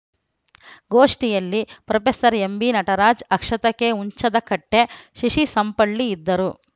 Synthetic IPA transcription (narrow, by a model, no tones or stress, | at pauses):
ɡo̞ːʂʈijɐlːipɾɐpesɐɾembinɐʈɐɾaːd͡ʒɐkʂɐt̪ɐke̞uɲt͡ʃɐd̪ɐkɐʈːe̞ʃiʂisɐmpɐɭːiːd̪ːɐɾu